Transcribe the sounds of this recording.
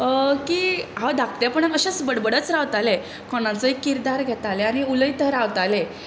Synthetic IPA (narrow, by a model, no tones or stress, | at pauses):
kiːɦad̪ak̚t̪japəɳakəɕet͡sbəɽbəɽət͡sɾaʋt̪ale | kɔnãt͡səɦikːiɾd̪aɾɡʱɛt̪aleañiuləjt̪əɾaʋt̪ale